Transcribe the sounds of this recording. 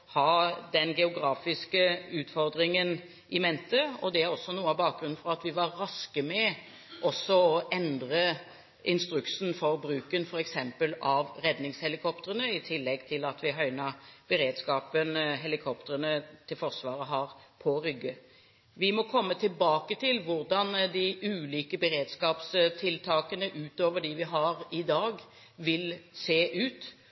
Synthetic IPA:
hɑd̪ɛnɡɛʊɡɾɑːfɪskəʉːt̪fɔɾd̪ɾɪŋən | ʔɪmɛnt̪əɔd̪ɛæɾɔsːɔnuːəɑbɑːk̚ɡɾʉnfɔɾɑt̪ʋɪʋɑɾɾɑskəmɛ | ʔɔsːɔɔʔɛnd̪ɾə | ʔɪnst̪ɾʉksnfɔɾbɾʉːkənfɔɾɛksɛmpəlɑʋɾɛd̪nɪŋshɛlɪkʰɔpt̪əɾənəɪt̪ʰɪlːɛɡt̪ʰɪlɑt̪ʋɪɦœʏnɑb̥əɾeːd̪skɑːpənɦɛlɪkʰɔp̚t̪əɾənət̪ʰɪlfɔʁsʋɑːɾəɦɑːɾpʰɔɾʏɡːə | ʋɪmɔkʰɔmːət̪ʰɪlbɑːkət̪ʰɪlʋʊʁd̪ɑnd̪ɪʔʉːliːkəbəɾeːd̪skɑːpst̪ʰɪlt̪ʰɑːkənəʔʉːt̪oːʋəɖɪʋɪɦɑʁɪd̪ɑːɡ | ʋɪlseːʔʉːt̪

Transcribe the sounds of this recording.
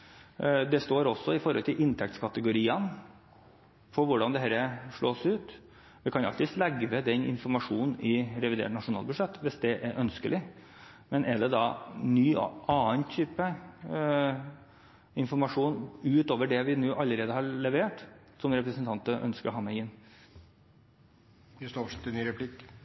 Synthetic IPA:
d̪ɛst̪oːɾɔsːɔɪfɔɾhɔlt̪ʰɪlʔɪnt̪ʰɛk̚t̪skʰɑt̪əɡʊɾiːən | fɔɾʋʊɖɑnd̪ɛɦæɾəʂɭoːsʉːt̪ | ʋɪkʰɑnɑ̰kt̪ɪslɛɡʋəd̪ɛnɪ̰nfɔɾmɑʂuːnn̩ɪɾɛʋɪd̪ḛːʈnɑʂʊnɑ̰ːlbʉʂɛt̪ːʋɪsd̪ɛʔɛɾʔœnskəlɪ | mɛnʔɛɖɛd̪ɑnyːʔɑːənt̪ʰyːpə | ɪnfɔɾmɑʂuːnʉːt̪oːʋəɖɛʋɪnuːʔɑlːəɾeːd̪əhɑlɛʋeːʈ | sɔmɾɛpɾəsənt̪ɑnt̪əʔœ̰nskəɾɦɑːmɛɪɪnː | ʋɪst̪oʂɛt̪ːɛnnyːɾɛpʰlɪk

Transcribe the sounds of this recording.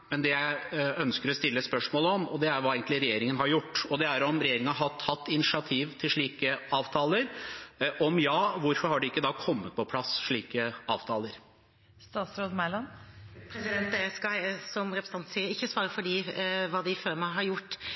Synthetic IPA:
mɛnd̪ɛjæɪœnskəɾɔst̪ɪlːəspœʂmoːləɔmɔd̪ɛæɾʋɑeɪɡənlɪɾɛjeːɾɪŋənɦɑɾjʊʈːɔd̪ɛæɾɔmɾɛjeːɾɪŋənɑɦɑt̪hɑt̪ːɪnɪsɪɑt̪ʰiːʋt̪ʰɪlʂɭiːkəɑːʋt̪ʰɑːləɾʔɔmjɑːʋʊɾfɔɾhɑɖɪɪkːəd̪ɑːkʰɔmːət̪̚pʰɔpʰlɑsʂɭiːkəɑːʋt̪ʰɑːləɾ | st̪ɑːsɾod̪mæɪlɑnpʰɾɛsɪd̪ɛnt̪d̪ɛskɑɪsɔmɾɛpɾsə̥ɑnt̪siːəɪçːəsʋɑːɾəfɔɖiːʋɑːd̪ɪføːɾmæɪɦɑɾjʊʈː

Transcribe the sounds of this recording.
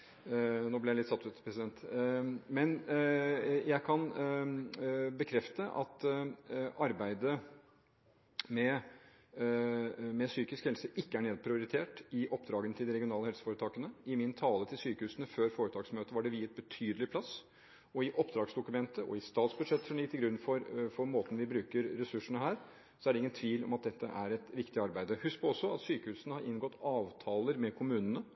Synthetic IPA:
noːblɪjælɪt̪sɑt̪ːʉt̪pʰɾɛsɪd̪ɛnt̪ | mɛn | jæɪkʰɑn | bəkʰɾɛft̪əʔɑ̰t̪ | ʔɑɾbæɪd̪ə | mɛ | mɛsyːkɪskhɛlsəʔɪkːəæɳeːd̪̚pʰɾɪʊɾɪt̪ʰeːʈɪʔɔpːd̪ɾɑːɡənət̪ʰɪld̪ɪɾɛɡɪʊnɑːləɛlsəfoːɾət̪ʰɑːkənəɪmɪnt̪ʰɑːlət̪ʰɪlsyːkəhʉːsənəføːɾfoːɾət̪ʰɑːɡsmøːt̪əʋɑɖɛʋɪɪt̪̚bət̪ʰyːd̪əlɪpʰlɑs | ɔɪʔɔpd̪ɾɑːɡsd̪ʊkʉmɛnt̪əʔɔ̰ɪst̪ɑːt̪sbʉd̪ʂɛt̪ːsɔmɪkt̪ɪlɡɾʉnːfɔɾfɔɾmoːt̪n̩ʋɪbɾʉːkəɾːɛsʉʂəɳəɦæːɾ | sɔæɖɛɪŋːənt̪ʰʋiːlɔ̰mɑt̪̚d̪ɛt̪ʰːə̰ʔæɾɛt̪ʋɪkt̪ɪɑɾbæɪd̪əhʉspʰɔɔsːɔɑt̪syːkəhʉːsənəhɑɾɪnɡɔt̪ːɑːʋt̪ʰɑːləɾmɛkʰʊmʉːnənə

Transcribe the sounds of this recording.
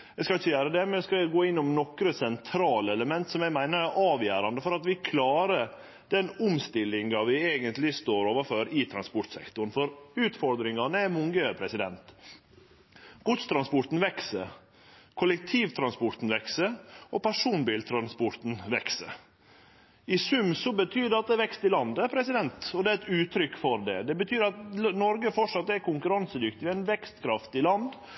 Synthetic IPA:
jæskɑlɪçəjæːɾəd̪ɛmɛɛskɑɛɡoːɪnːʊmnɔkɾəsɛnt̪ʰɾɑːləɛləmɛnt̪sɔmjæɡmæɪnəɾæʔɑːʋjæːɾɑnd̪əfɔɾɑt̪ʋɪkʰlɑːɾə | d̪ɛnʊmst̪ɪlːɪŋɑʋɪeːɡənt̪lɪst̪oːɾoːʋəføɾɪt̪ʰɾɑnspɔɾʈ̪sɛ̰kt̪ʊɾnfɔɾʉːt̪fɔɾd̪ɾɪŋɑnəæmʊŋɡəpʰɾɛsɪd̪ɛnt̪ | ɡ̥ʊt̪st̪ʰɾɑnspʊɾt̪n̩ʋɛksə | kʰʊlɛk̚t̪ʰiːʋt̪ʰɾɑnspɔɾt̪n̩ʋɛksəɾɔpʰæʂuːnbiːlt̪ʰɾɑnspɔɾt̪n̩ʋɛksə̰ɾ | ɪsʉmsɔbət̪ʰyːd̪ɛɑt̪̚d̪ɛʋɛkst̪ɪlɑnd̪əpʰɾɛsɪd̪ɛnt̪ɔd̪ɛæɛt̪ʉːt̪ʰɾʏkːfɔɾd̪ɛ̰d̪ɛbət̪ʰyːɾɑt̪nɔɾɡəfɔʂɑt̪̚d̪ɛæɾkʊŋkʉɾɑnsəd̪ʏkt̪ɪʋæɪnʋɛkst̪kʰɾɑft̪ɪlɑnd̪

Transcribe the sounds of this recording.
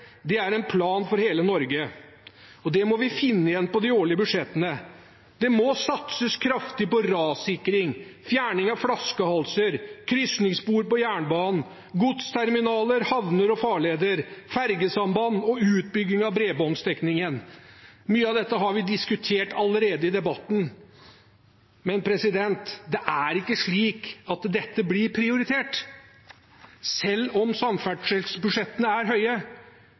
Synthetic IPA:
d̪ɛæɾɛnpʰlɑːnfɔɾheːlənɔɾɡə | ɔd̪ɛmɔʋɪfɪnːəɪjɛnːpɔd̪ɪoːɭɪəbʉʂɛt̪ːənə | d̪̥ɛmɔsɑt̪səskʰɾɑft̪ɪpɔɾɑːsɪkɾɪŋfjæːɳɪŋɑʋfɽɑskəhɑlsəɾkʰɾʏsnɪŋsbuːɾpɔjæːɳbɑːnn̩ | ɡʊt̪st̪ʰæɾmɪnɑːləɾhɑʋnəɾɔfɑːɭeːd̪əɾfæɾɡəsɑmbɑnːɔʉːt̪̚bʏɡ̪ɪŋɑʋbɾeːbɔnst̪ɛknɪŋən | myːəɑʋd̪ɛt̪ːəɦɑɾʋɪd̪ɪskʉt̪ʰeːʈɑləɾeːd̪əɪd̪ɛbɑt̪ːn̩ | mɛnpʰɾɛsɪd̪ɛnt̪d̪ɛʔæɾɪkːəʂɭiːkɑt̪d̪ɛt̪ːəblɪɾpʰɾɪʊɾɪt̪ʰeːʈ | sɛlːɔmsɑmfæɖʂəlsbʉʂɛt̪ːənəæɾɦœʏə

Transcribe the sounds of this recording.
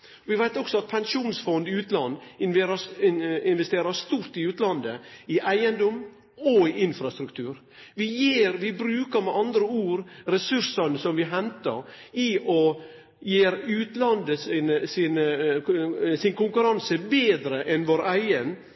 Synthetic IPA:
ʋɪʋæɪt̪ɔksɔɑt̪̚pʰɛŋʂuːnsfɔnd̪ɪʉːt̪lɑnd̪ɪnʋɾəɪnʋɛst̪eːɾəst̪uːɾt̪ɪʉːt̪lɑnd̪əɪʔæɪənd̪ɔm | ɔɪʔɪnfɾɑst̪ɾʉkt̪ʰʉːɾ | ʋɪjiːɾʋɪbɾʉːkəɾmɛʔɑnd̪ɾəuːɾɾɛsʉɾsənəsɔmʋɪɦɛnt̪ə̰ɾɪʔɔ | jeːɾʉːt̪lɑnd̪əsnsɪnə | sɪnkʊŋkʉɾɑnsəbeːd̪ɾəʔɛnʋoːɾæɪən

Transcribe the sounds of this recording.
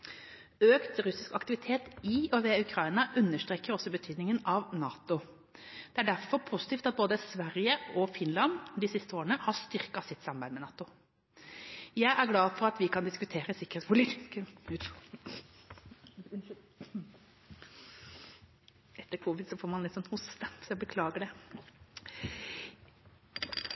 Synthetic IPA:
øːkt̪ɾʉsɪskɑkt̪ɪʋɪt̪ʰeːt̪ɪɔʋɛʉkʰɾɑɪnɑʔʉnːəʂt̪ɾʁeːkəɾɔsːɔbət̪ʰyːd̪nɪŋənɑʋnɑːt̪ʊ | d̪̥ɛæɖæɾfɔɾpʰusɪt̪iːft̪ɑt̪̚boːd̪əsʋæɾjəɔfɪnlɑnd̪ɪsɪst̪əoːɾənəhɑʂt̪ʏʁkɑsɪt̪ːsɑmbæɪmɛnɑːt̪ʊ | jæɪʔæɾɡlɑːfɔɾɑt̪ʋɪkʰɑnd̪ɪskʉt̪ʰeːɾəsɪkːəɛspʊlisk̪ | ɛt̪ːəɾkʰuːʋɪd̪sɔfoːɾmɑnlɪt̪ːsɔnhʊst̪əsɔjæɪbəkʰlɑːɡəɖɛ

